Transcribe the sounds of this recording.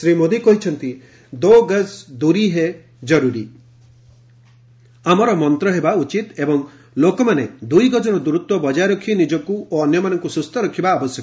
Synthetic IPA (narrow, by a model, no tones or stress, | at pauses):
sɾimod̪ikɔɦit͡ʃʰɔnt̪i | d̪oɡəsd̪uɾiɦe | d͡ʒɔɾuɾi | amɔɾɔmɔnt̪ɾɔɦebaut͡ʃit̪ebɔŋ | lokɔmaned̪ujɡɔd͡ʒɔnɔd̪uɾut̪wɔbɔd͡ʒajɾɔkʰinid͡ʒɔkuoɔnjɔmanɔŋkusust̪ɔɾɔkʰibaːbɔsjɔk